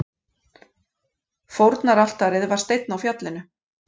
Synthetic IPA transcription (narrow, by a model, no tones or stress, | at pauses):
fowɾt̪naɾal̥t̪aɾɪðvaɾ̥st̪ejt̪̚nawfjat̪lɪnʏ